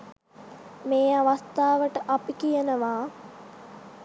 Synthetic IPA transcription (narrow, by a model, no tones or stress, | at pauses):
meːaʋast̪aːʋəʈəʔapikijənəʋaː